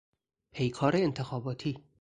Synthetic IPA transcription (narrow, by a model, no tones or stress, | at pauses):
pʰejkʰɒːɾeːnt̪ʰexɒːbɒːt̪ʰiː